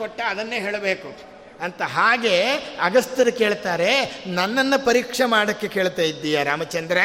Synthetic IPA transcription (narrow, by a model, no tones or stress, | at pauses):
koʈːɐɐd̪ɐnːeːɦe̞ːɭɐbeːku | ɐnt̪ɐɦaːɡe̞ɐɡɐst̪ɐɾɐke̞ːɭt̪aːɾe̞nɐnːɐnːɐpɐɾiːkʂɐmaːɽɐkːe̞keːɭt̪aːjid̪ːijɐɾaːmɐt͡ʃɐnd̪ɾɐ